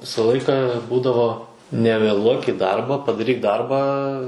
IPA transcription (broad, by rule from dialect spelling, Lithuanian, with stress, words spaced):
ˈʋʲɪsɐ ˈlˠɐɪkɐ ˈbuːdɐʋoː nʲɛʋʲeːˈlˠuɔk iː ˈdɐrbɐ pɐdɐˈrʲiːk ˈdɐrbɑː